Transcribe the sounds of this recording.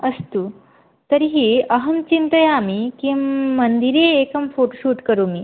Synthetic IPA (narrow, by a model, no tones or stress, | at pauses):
əst̪uː | t̪əɾiɦiəɦəmt͡ɕint̪əjamikimənd̪iɾeːkəmfoʈoɕuːʈkəɾumiː